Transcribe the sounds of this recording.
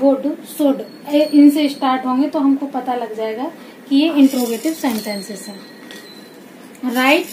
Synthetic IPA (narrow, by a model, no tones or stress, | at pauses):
boːɖsʊɖ | ʔɪnseɪsʈaːɾʈɦõːŋɡet̪oɦɐmkopɐt̪alɐɡd͡ʒaːeːɡa | kijeɪ̃ɳʈɾoːɡeːʈɪbsɛ̃ɳʈɛ̃nsɪsɦɛ̃ː | ɾaːɪʈ